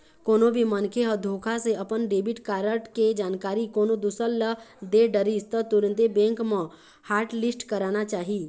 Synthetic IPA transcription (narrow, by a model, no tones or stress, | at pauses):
koːnobʱimənkʰeɦɔd̪ʱoːkʰaseəpənɖeːbɪʈkaːɾəʈked͡ʒaːnkaːɾikoːnod̪usəlləd̪eɖəɾist̪ət̪uɾə̃nt̪ebẽːŋkmə̃ | haːɾʈlɪsʈkəɾaːnat͡ʃaːɦiː